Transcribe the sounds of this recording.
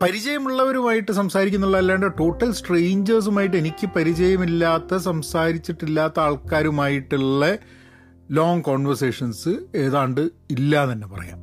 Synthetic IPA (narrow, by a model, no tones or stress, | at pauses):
pɐɾid͡ʑɐjɐmuɭːɐʋɐɾumaːjiʈːɨsɐmsaːɾikʲːunːuɭːɐilːaːɳɖeʈo̞ːʈːɐlsʈrejɲd͡ʑɐrs̬umaːjiʈːe̞nikʲːɨpɐɾid͡ʑɐjɐmilːaːt̪ːɐsɐmsaːɾit͡ɕːiʈːilːaːt̪ːɐaːɭkaːɾumaːjiʈːiɭːɐ | lo̞ːŋkoːɳʋɐrseːʂɐnsɨe̞ːðaːɳɖɨ | ilːɐt̪ɐnːe̞pɐrɐ̰ja̰ːm